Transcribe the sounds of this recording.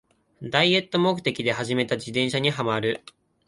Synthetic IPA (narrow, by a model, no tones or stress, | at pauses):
d̪aie̞t̪ːo̞mo̞kɯ̟̥t̪e̞kʲid̪e̞ɦaʑime̞t̪ad͡ʑid̪ẽ̞ɰ̃ɕaɲ̟iɦamaɾɯ̟